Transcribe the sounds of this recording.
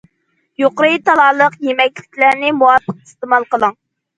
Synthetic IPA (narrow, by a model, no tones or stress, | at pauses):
joqɾɨjt̪ʰɑlˠɑːlˠəqjemɛkʲlɪkʲlæɾnɪmuwɑpʰːəq̚i̥st̪ɨmɑlˠqəlˠəŋ